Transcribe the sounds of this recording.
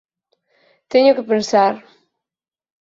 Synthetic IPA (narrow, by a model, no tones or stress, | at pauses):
t̪eɲʊkɪpẽnsaɾ